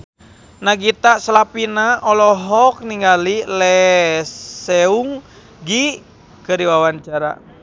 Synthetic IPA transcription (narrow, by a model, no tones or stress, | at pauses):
naɡit̪asəlapinaɔlɔɦɔk̚niŋɡalilɛ | sɛuŋ | ɡi | kəɾiwawanɲt͡ʃaɾa̰